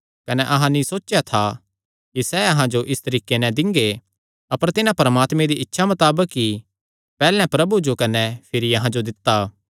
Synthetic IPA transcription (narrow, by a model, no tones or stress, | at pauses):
kɐnɛʔɐɦãnĩsoːt͡ʃːʃjat̪ʰa | kisɛɐɦãd͡ʒoʔɪst̪ɐɾiːkenɛ̃d̪ɪ̃ŋɡe | ɐpəɾt̪ɪnãpɐɾəmaːt̪mẽd̪iɪtːʃʰamɐt̪aːbəkːi | pɛːlɛ̃pɾɐbud͡ʒokɐnɛpʰɪɾiɐɦãd͡ʒod̪ɪt̪ːaː